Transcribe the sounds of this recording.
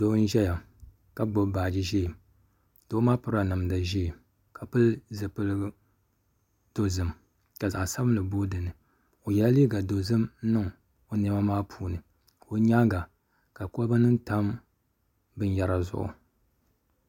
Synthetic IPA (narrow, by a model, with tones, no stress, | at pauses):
do˦n̩˦ʒɛ˦ja˨ | ka˦ɡ͡bo˦baː˨d͡ʒi˦ʒi˦˨ | do˦maː˦pɨ˦ɾa˨nɨ˨mda˨ʒi˦˨ | ka˨pɨ˦lzɨ˨pɨ˦lɨ˦ | d̥o˨zɨ˨m | ka˨za˨ʔsa˦bɨ˦m̩˨lɨ˨boː˦dɨ˨nɨ˨ | o˨jɛ˨la˦liː˦ɡa˨do˨zɨ˦mn̩˦nɨ˦ŋ | o˨nɛ˦ma˦maː˦pʰuː˦nɨ˨ | o˨˦ɲa˦ŋɡa˨ | ka˨ko˦ba˦nɨ˦n˦ta˦m | bɨ˦n˦ja˦ɾa˨zʊ̰˨ʔʊ̰˨